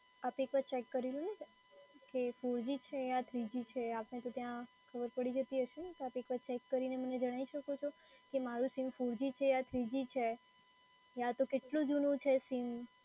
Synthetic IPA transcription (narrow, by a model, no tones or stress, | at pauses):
apekʋat͡ʃekːəɾilũne | kefuɾd͡ʒit͡ʃʰeat̪ʰɾid͡ʒit͡ʃʰeapnet̪ot̪jã | kʰəbəɾpəɽid͡ʒət̪iɦəʃet̪oapekʋat͡ʃekːəɾineməned͡ʒəɽ̃aiʃəkot͡ʃʰo | kemaɾũsimfuɾd͡ʒit͡ʃʰeat̪ʰɾid͡ʒit͡ʃʰe | at̪okeʈlũd͡ʒunũt͡ʃʰesim